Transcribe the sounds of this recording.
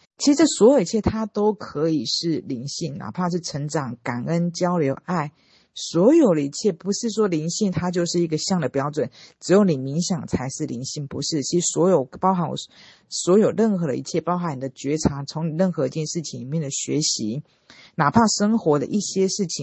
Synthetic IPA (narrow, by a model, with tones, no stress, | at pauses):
t͡ɕt͡ɕʰi˧˥˧ʈ͡ʂ̩ə˥˩swɔ˧˥jo˨˩i˧˥t͡ɕʰɛ˥˩t̪ʰa˥t̪o˥ʊkʰɤ˧˦i˨˩ʂɻ̩˥˩li˧˥ŋɕi˥˩ŋnʔa̰˨˩pʰa˥˧ʂ̬ɻ̩˥˩ʈ͡ʂʰə˧˥ŋʈ͡ʂɑ˨˩˦ŋka˨˩nə˦nt͡ɕjɑ˥ʊljo˧˥ʊʔa˥˩ɪ | swɔ˧˥jo˨˩ʊd̪ə˦i˥˧t͡ɕʰjɛ˥˩pu˧˦˥ʂɻ̩˥˩ʂwɔ˥li˧˥ŋɕi˥˩ŋt̪ʰa˥t͡ɕjo˥˧ʊʂɻ̩˥˩i˧˥ɡə˧ɕjɑ˥˩ŋd̪ə˨˩pjɑ˥ʊʈ͡ʂwə˨˩nʈ͡ʂɻ̩˧˥jo˧˥ʊni˨˩mi˧˥ŋɕjɑ˨˩ŋt͡sʰa˧˥ɪʂɻ̩˥˩lḭ˧˥nɕi˥˩ŋpṵ˧˦ʂɻ̩˥˩t͡ɕʰi˧˥ʂɻ̩˧˥swɔ˧˥jo˨˩ʊpɑ˥ʊxa˧˥nw̰ | swɔ˧˥jo˨˩ʊɻə˥˩nxɤ˧˥ɾə̰˧ḭ˥˧t͡ɕʰjɛ˥˩pɑ˥ʊxa˧˥ni˨˩d̪ə˦t͡ɕɥɛ˧˥ʈ͡ʂʰa˧˥t͡sʰo˧˥ŋni˨˩ɻə˥˩nxɤ˧˥i˧˥t͡ɕjɛ˥˧nʂɻ̩˥˩t͡ɕʰi˧ŋli˨˩mjɛ˥˩nd̪ə˩ɕɥɛ̰˧˥ɕi˧˥ | na˨˩pʰa˥˩ʂə˥ŋxwɔ˧˥d̪ə̰˧ʔi˥˩ɕjɛ˥ʂɻ̩˥˩t͡ɕʰi˨